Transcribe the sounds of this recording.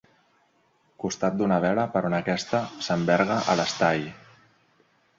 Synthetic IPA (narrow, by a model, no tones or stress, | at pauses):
kust̪at̪̚d̪unəβ̞ɛɾəpəɾunəkɛst̪əsəmbɛɾɣəʔələst̪aj